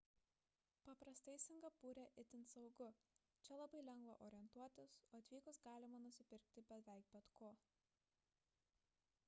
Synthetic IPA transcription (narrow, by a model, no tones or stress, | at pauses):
pɐpɾɐst̪ɐɪsʲɪŋɡɐpuːɾʲeʔɪt̪ʲɪnt̪sɐʊɡʊ | t͡ʃʲɛlˠɐbɐɪlʲɛŋɡʋɐʔoːɾʲɪɛnt̪uɔt̪ʲɪsoːɐt̪ʲʋʲiːkʊsɡɑːlʲɪmɐnʊsʲɪpʲɪɾʲk̚t̪ʲɪbʲɛʋʲɛˑɪk̚bʲɛt̪kʰoː